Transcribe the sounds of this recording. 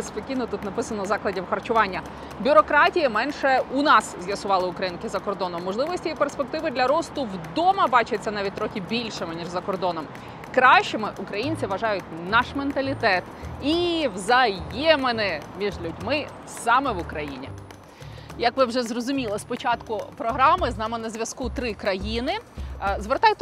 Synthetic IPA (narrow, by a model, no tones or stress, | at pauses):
bespɔkʲinɔt̪ut̪nɐpɪsɐnɔzɑklˠɐdʲiwxɐrt͡ʃʊʋɑnʲːɐ | bʲʊɾɔkɾɑtʲijɐmɛnʃɛunɑszʲjɐsʊʋɑlˠɪʊkɾɐjinkɪzɐkɔrd̪ɔnɔmːɔʒlˠɪʋɔsʲtʲijiperspe̞k̚t̪ɪʋɪd̪lʲɐɾɔst̪ʊwd̪ɔmɐbɑt͡ʃɐt͡sʲːɐnɑʋʲit̚ʲt̪ɾɔxʲɪbʲilʲʃɪmɪnʲiʒzɐkɔrd̪ɔnɔm | kɾɑʃt͡ʃemɪʔʊkɾɐjinʲt͡sʲiʋɐʒɑjʊt̚ʲnɑʃment̪ɐlʲit̪ɛt̪iʋzɐjɛmenɪmʲiʒlʲudʲmɪ | sɑmɛʋʊkɾɐjinʲḭ | jɐkʋɪwʒɛzrɔzʊmʲilˠɐspɔt͡ʃɑt̪kʊpɾɔɦɾɑmɪznɑmɪnɐzʲʋʲjɐskut̪ɾɪkɾɐjinɪzʋert̪ɑjt̪